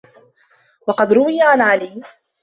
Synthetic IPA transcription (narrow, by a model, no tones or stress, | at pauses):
wɑqɑd̪ɾʊwɪjaʕanʕaliː